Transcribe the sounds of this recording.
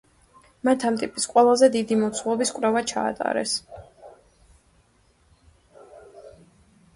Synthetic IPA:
mat̪ʰamt̪ʼipʼisqʼwɛlˠazɛd̪id̪imɔt̪sʰwɔbiskʼwɾɛvat͡ʃʰa̰ːt̪ʼa̰ɾɛ̰s

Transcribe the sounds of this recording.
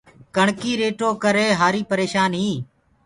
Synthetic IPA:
kəɳkiːɾeːʈoːkəɾeːɦaːɾiːpəɾeːʃaːnɦiː

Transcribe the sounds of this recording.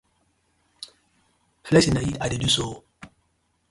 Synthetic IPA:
flɛsinajiadedusoː

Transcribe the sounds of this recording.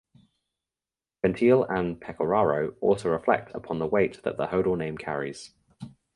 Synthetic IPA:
fɛ̃ntʰiːlə̃npʰɛkʰəɹɑːɹəʊɔ̰ˑlˠsəʊɹɪflɛ̰k̚tʰə̰pʰɒ̃nðəweɪʔðə̰ʔðəhəʊɾəlˠnẽɪ̃mkʰa̰ɹɪ̰z̥

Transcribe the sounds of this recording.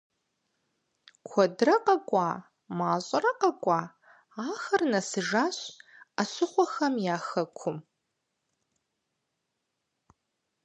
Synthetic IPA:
kʷʰɔdrɐqɐkʷʼa | maːɕʼɐɾɐqɐkʷʼa | aːxɐrnɐsɨʒaːɕaɕɪχʷɔxɐmjaːxɐkʷʰʊm

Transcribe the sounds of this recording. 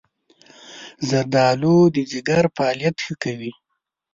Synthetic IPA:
zaɾd̪ɑlod̪əd͡ʒɪɡaɾpɑljat̪xəkawi

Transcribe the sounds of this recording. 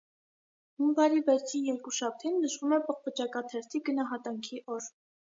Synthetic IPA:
huŋvɑɾivɛɾt͡sʰinjɛɾkuʃɑp̚ʰt̪ʰinːəʃvumɛpəχpət͡ʃɑkɑt̪ʰɛɾt̪ʰiɡənɑɦɑt̪ɑŋkʰiʔɔɾ

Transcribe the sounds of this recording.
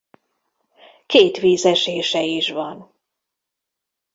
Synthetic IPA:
keːt̪ʋiːzɛʃeːʃɛiʃʋɒn

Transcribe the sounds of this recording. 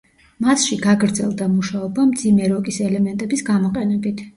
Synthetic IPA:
mat̪ʃiɡaɡɾd̪zɛlˠd̪amuʃaɔbamd̪zimɛɾɔkʼisɛlɛmɛnt̪ʼɛbisɡamɔqʼɛnɛbit̪ʰ

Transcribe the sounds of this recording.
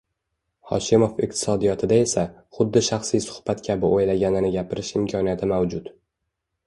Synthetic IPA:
χɒ̰ʃɪmo̞fɪq̚t̪ʰɪ̥sɒd̪ijɒt̪ʰɪd̪ae̞saχʊd̪ːɪʃaχsijsʊ̥χb̥at̪kʲʰabɪʔojlaɡʲanɪnɪɡʲapʰɪɾɪʃɪmkʲʰɒnijat̪ʰɪmawd͡ʒʊt̪

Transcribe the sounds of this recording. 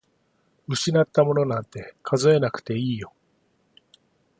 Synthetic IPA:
ɯ̟ɕinat̪ːamo̞no̞nãnt̪e̞kʰazɨe̞nakɯ̟̥t̪e̞iːjo̞

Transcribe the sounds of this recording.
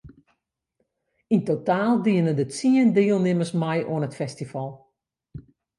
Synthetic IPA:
intotaːlˠdiənədəsiəndɪəlˠnɪməsmɛjʔoənɦətfɛstifɑlˠ

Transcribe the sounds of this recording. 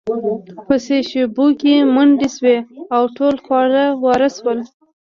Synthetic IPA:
pəseʃebokemuɳɖisweawʈolxwɑɾawɑɾaswəl

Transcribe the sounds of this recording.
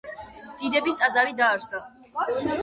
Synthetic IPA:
d̪̥id̪ɛbist̪ʼad̪zaɾid̪aːɾzd̪a

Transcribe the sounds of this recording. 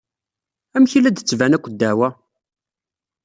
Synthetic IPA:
æmçilæd̪ət͡sːvænækʷːəd̪ːæwæ

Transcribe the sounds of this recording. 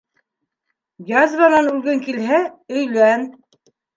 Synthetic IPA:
jɑzɾɑnɑnʉlɡɘŋkilɦæɵ̆jlæn

